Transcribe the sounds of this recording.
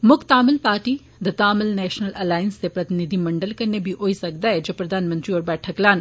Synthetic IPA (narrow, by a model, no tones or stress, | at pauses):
mʊkʰt̪aːmɪlpaːɾʈi | d̪ɐt̪aːmɪlnɛːʃnəlʔɛlaːjənst̪epɾɐt̪ɪnɪd̪ʱimɐ̃ɳɖəlkɐɾnebʱiʔoːisɐk̚d̪aɛd͡ʒoːpɾɐd̪ʱaːnmə̃nt̪ɾiɔːɾbɛːʈʰəklaːn